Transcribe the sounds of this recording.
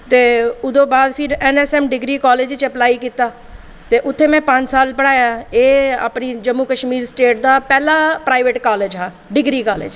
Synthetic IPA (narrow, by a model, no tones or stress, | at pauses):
t̪eːʊd̪õːbaːd̪pʰɪɾɛnɛsɛmɖɪɡɾiːkaːleːd͡ʒt͡ʃɐplaːikiːt̪aː | t̪eʔʊt̪ʰːemɛ̃pãːɲt͡ʃsaːlpəɽaːjaeːa̰pnid͡ʒəmːukəʃmiːɾsʈeːʈ̚d̪aːpɛːlapɾaːɪʋeːʈkaːleːd͡ʒɦaː | ɖɪɡɾikaːlḛːd͡ʒ